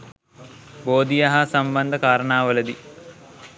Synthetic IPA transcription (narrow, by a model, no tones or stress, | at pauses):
boːd̪ijɐɦɐsɐmbɐnd̪ʱɐkaːɾɐɳaːʋɐlɐd̪i